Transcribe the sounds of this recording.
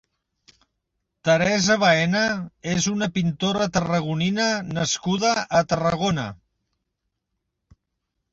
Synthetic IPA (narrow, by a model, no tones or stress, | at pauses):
t̪əɾɛzəβaɛnəezunəpint̪oɾət̪ərəɣ̞uninənəskuðəʔːt̪ərəɣ̞onə̰